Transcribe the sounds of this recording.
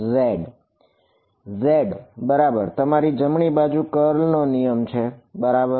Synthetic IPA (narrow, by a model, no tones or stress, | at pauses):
zeɖ | zeɖbəɾabəɾt̪əmaɾid͡ʒəmɳibad͡ʒukəɾlnonijəmt͡ʃʰebəɾabə